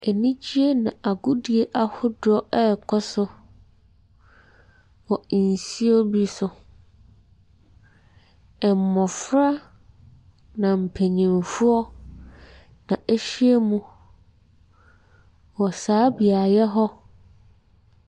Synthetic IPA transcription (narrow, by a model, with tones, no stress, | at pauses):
e˨nĩ˦d͡ʑi˦e˦nã˨ʔa˨ɡʊ˦di˨e˦ʔa˨hʊ˦dɔ˦ʔɛ˦˨kʰɔ˦sʊ˦ | wɔ˨n˨si˦ɔ˦bi˦sʊ˨ | ɛ˨m˨mːɔ̃˨fɾa˦ | nã˨m̩˨pʰe˨ɲĩ˨mfu˦ɔ˦ | nã˨ʔe˦ɕi˦e˦mũ˦ | wɔ˨saː˨˦bi˨a˨jɛ˦ɦɔ˦